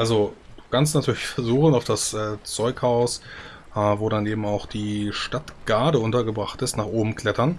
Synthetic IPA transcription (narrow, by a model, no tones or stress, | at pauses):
ʔalzo | d̥u̥ːkʰans̬tnatʰyːɐlɪçfɛɐzuːxən̩aʊfd̥asʔɛːt͡sɔʏkhaʊs | ʔːvoːɾaneːbm̩aʊxd̥iːʃtatɡ̥aɐdəʊntɐɡəbʁaχtɪstnaːχʔoːbm̩kl̥ɛtɐn